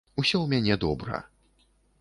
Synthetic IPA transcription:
usʲɔwmʲanʲɛd̪ɔbɾɐ̰

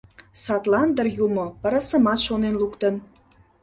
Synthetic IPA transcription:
sɑt̪lɑnd̪ərjumopəɾɑsə̆mɑt̪ʃonenlukt̪ən

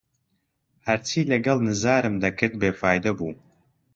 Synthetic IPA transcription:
ħartʰiːlɐɡɐlnɨzaːɾɨmdakʰɨrt̚ʼbeːfaːjdɐbu

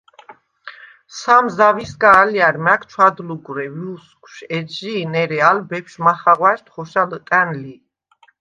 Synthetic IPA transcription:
samzaviskʼaːliaɾmakʰt͡ʃʰwad̪luɡɾɛviskʰʼʃɛʒinɛɾɛalbɛpʰʃmaχaʁwaʃt̪ʰχɔʃalk̪ʼænli

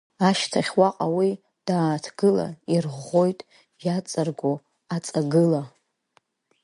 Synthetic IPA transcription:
aʃtʰaχʲwaqʼawi | d̥aːtʰɡ̥ɨla̰irʁʁo̞jtʼ | jat͡sʼarɡʷo | at͡sʼaɡɨla

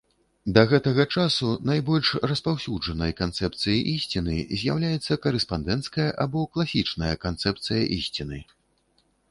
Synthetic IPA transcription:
d̪ɐɣɛt̪ɐɣɐt͡ʂasunajbɔlʲʂrɐspawsʲud͡ʐɐnɐjkant̪sɛp̚t̪sɨjiʔisʲt͡sʲinɨzʲjawlʲajɛt̪sːɐkɐɾɛspand̪ɛnt̪skɐjɐʔabɔklˠasʲit͡ʂnɐjɐkant̪sɛp̚t̪sɨjɐ̰ʔisʲt͡sʲinɨ

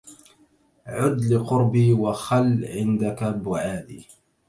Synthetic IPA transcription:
ʕʊd̪lɪqʊɾbiːwaxalːʕɪnd̪akabʊʕaːd̪iː

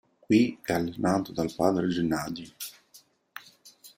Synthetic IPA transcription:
kwiɛalːenaːt̪od̪alpaːd̪ɾed͡ʒenːaːd̪i

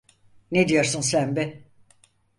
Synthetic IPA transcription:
ned̪ijo̞ɾsunsænbɛ

